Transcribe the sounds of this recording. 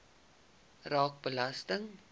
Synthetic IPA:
rɑːk̚bəlɐstəŋ

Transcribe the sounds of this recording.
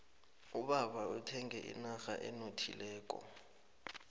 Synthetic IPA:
uɓaɓautʰɛŋɛʔḭnaxaʔɛnotʰḭlɛːk̬ʼɔ̰

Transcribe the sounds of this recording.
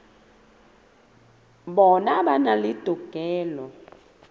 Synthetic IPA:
ɓɔnaɓanalid̥ʱɔɡ̥ʱɛːlɔ

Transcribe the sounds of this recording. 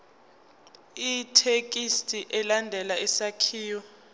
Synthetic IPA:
itʰek̬ʼistʼiʔɛlandʱɛlaɛsakʰiːjɔ

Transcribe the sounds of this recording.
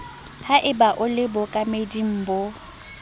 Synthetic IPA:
haʔɪbaʔʊlɪbɔkʼamedim̩ːbʊ

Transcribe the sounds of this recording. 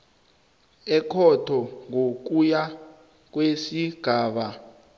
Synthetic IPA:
ɛkʰɔtʰɔŋok̬uja | k̬wesiɡ̥ʱaːɓa

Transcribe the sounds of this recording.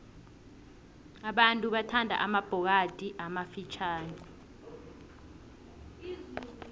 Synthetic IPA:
aɓantʼuɓatʰandʱa̰ʔamab̥ʱɔk̬ad̥ʱʼiʔamafit͡ʃʰaːni

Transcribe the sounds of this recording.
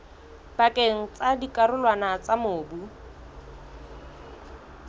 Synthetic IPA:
bakʼeŋ̩t͡sadikʼaɾʊlwanat͡samoːbu

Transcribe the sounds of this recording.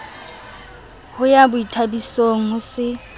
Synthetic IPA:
hʊjabʊitʰabisoŋ̩ʊsɪ

